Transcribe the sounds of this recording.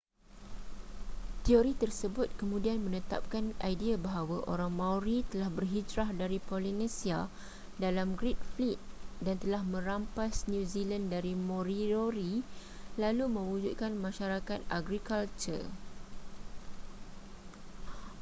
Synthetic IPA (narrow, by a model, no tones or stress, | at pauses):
t̪ioɾit̪ərsəbʊt̪̚kəmũdianmə̃nət̪a̰p̚kanajdiabaɦawaʔo̰ɾaŋmãwɾit̪əlahbərɦid͡ʒɾahdaɾipolinẽsia | dalamɡɾit̪̚flit̪̚dant̪əlahmə̃ɾampasnuzilandaɾimõɾioɾi | lalumə̃wud͡ʒuʔ̪̚kanmãʃaɾakat̪aɡɾikalt͡ʃə̰r